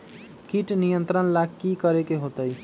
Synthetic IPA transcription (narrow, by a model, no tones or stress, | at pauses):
kiʈnijənt̪ɾənlaɡkikʌɾekeɦot̪əj